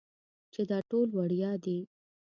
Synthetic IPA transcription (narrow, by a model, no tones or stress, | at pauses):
t͡ʃed̪ɑʈolwaɽjɑd̪e